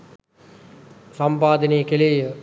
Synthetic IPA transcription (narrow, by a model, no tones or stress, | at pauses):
sampaːd̪əneːkeleːə